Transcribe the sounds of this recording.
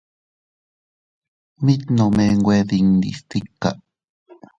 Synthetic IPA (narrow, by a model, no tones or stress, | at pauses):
mit̪nomeŋɡweðiŋd̪ḭst̪ikːa̰